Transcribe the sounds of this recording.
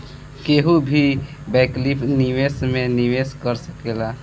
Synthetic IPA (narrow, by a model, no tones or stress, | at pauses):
keɦubʱibɛklipʰniʋesmẽniʋeskəɾsəkela